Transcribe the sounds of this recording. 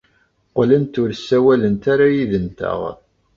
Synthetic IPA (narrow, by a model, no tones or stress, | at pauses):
qlənt̪ʊɾsːæwælənt̪aɾajiðənt̪æ̰ʁ